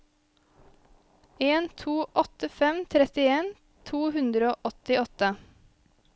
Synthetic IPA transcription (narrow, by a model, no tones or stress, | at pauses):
eːnt̪ʰuːʔɔt̪əfɛmt̪ʰɾɛt̪ɪeːn | t̪ʰuːhʉnd̪ɾəoːʔɔt̪ɪɔt̪ə